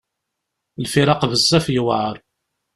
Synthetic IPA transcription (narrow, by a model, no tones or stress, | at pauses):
lfiɾɑqvəzˤːæfjwʕəɾˤ